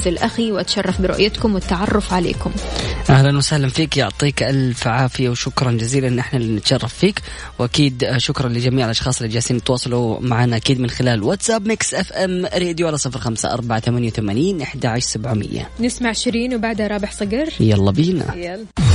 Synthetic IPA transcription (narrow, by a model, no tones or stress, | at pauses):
zɪlʔaxiwʔat̪ʃɑrˤːɑfbɪɾʊ̰ʔjat̪kʊmwɪt̪ːaʕɑrˤːʊfʕalḛːkʊmʔahlanwasahlamfiːkjʊʕt̪ˤiːkʔalfʕaːfɪjawʃʊkɾˤɑnd͡ʒaziːlanʔɪħnalinɪt̪ʃɑrˤːɑfːiːk | wʔakiːd̪ʃʊkɾˤɑnlɪd͡ʒamiːʕɪlʔɑʃxɑːsˤɪlʔad͡ʒaːsiːnɪt̪wɑːsˤɑlumaʕaːnaʔakiːd̪mɪnxɪlaːlwat̪sabmɪksʔɛfʔamɾeːd̪juʔalasˤɨfɾxamsa̰ʔɑ̰ɾˤbaʕat̪amanjawθamaːniːnʔɪħd̪aʕaʃɾsabʕumɪ̰jːa̰nɪsmaʕɪʃɾiːnwbaʕd̪haɾˤɑːbɪħsˤɑɡɑɾˤjalˤːɑbiːna̰